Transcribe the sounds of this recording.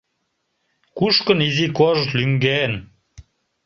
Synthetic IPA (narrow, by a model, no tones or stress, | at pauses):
kuʃkə̆nizikoʒlyŋɡen